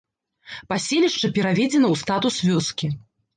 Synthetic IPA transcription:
pasʲelʲiʂt͡ʂɐpʲɛɾavʲɛd͡zʲɛnɐwst̪at̪usvʲɔskʲi

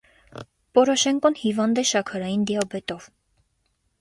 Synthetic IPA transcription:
pɔɾɔʃɛŋkɔnhivɑnd̪ɛʃɑkʰɑɾɑjind̪ijɑbɛt̪ɔv

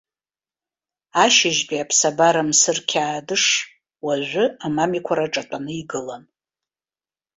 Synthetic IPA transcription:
aʃɪʒt͡pʷʼiapʰsabaɾamsɨrkʲʰaːdɨʂ | waʒʷʊamamikʷʰaɾaʈ͡ʂʼatʼanɨiɡɨlan

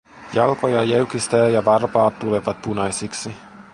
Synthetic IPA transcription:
jɑlko̞jɑjeɥk̟ist̪æːjɑʋɑrpɑːt̪ːule̞ʋɑt̪̚punɑjsiksi

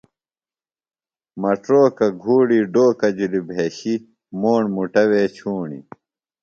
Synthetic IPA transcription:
mɐʈɾoːkɐɡʱuːɽiɖoːkɐd͡ʑulibʱeːɕi | moːɳmuʈɐweːt͡ɕʰuːɳḭ

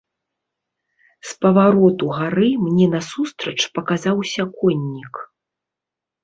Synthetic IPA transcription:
spɐvaɾɔt̪uɣaɾɨmnʲɛnɐsust̪ɾɐt͡ʂpɐkazawsʲɐkɔnʲːik

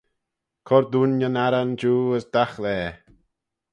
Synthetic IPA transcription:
kʰɔɾd̪uːnjənaɾand͡ʒuːəsd̪̥axlɛː

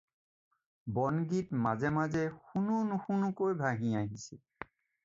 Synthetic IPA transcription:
bɔnɡitmazɛmazɛxununuxunukojbʱaɦĩaɦisḭ

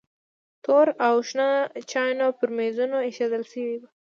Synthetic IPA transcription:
t̪oɾawʃnɑt͡ʃɑjnawpəɾmezunoeʃad̪əlʃəwiba

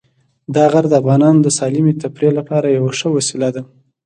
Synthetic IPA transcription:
d̪ɑɣaɾd̪əafɣɑnɑnod̪əsɑlimet̪apɾelapɑɾajawaʂəwasilad̪a

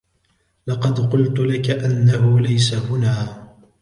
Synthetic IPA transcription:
lɑqɑd̪qʊlt̪ʊlakaʔanːahʊlajsahʊnaː

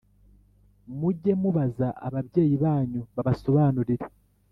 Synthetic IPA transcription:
muɟe̞muβazaʔa̰βaβje̞ːjiβaːɲuβaβaso̞βaːnuɾiɾe

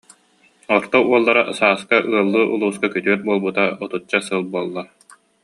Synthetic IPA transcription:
ɔɾt̪ɔuɔlˠːaɾasaːskaʔɯɐlˠːɯːʔulˠuːskakyt̪yœt̪̚buɔlˠbut̪aɔt̪ut͡ɕːasɯlˠbuɔlˠːaɾ

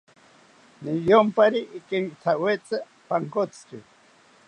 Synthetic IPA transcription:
nijompaɾiʔːkeŋɡit͡s̪ʰawet͡sa | paŋkot͡ski

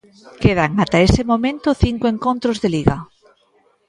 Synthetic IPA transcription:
keð̞aŋat̪aesemomẽnt̪oθiŋkoẽŋkõnt̪ɾozðeliɣa

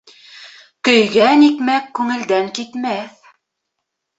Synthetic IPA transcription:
kɵ̆jɡænikmækːʉŋɘ̆ld̪æŋkit̪mæθ

